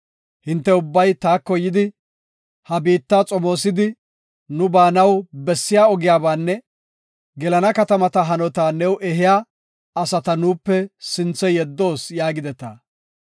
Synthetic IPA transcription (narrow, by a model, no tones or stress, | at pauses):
hɪnt̪ːɛʊbːɐjt̪aːkːɔjɪd̪ɪ | hɐbiːt̪ːaːt͡sʼɔmo̞ːsɪd̪ɪ | nʊbaːnɐwbɛsːɪjaːɔɡɪjaːbaːnːɛ | ɡɛlɐnɐkɐt̪ɐmɐt̪ɐɦɐnɔt̪aːnɛwʔɛɦɪjaː | ɐsɐt̪ɐnuːpːɛsɪnt͡sːɛjɛd̪ːo̞ːsjaːɡɪd̪ɛt̪a̰ː